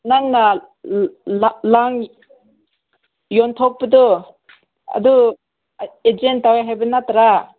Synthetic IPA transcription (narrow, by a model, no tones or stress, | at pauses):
naŋna | laŋ | jɔnt̪ʰɔk̚bəd̪ɔ | a̰d̪u | ed͡ʒentːawajɦajbənat̪aɾa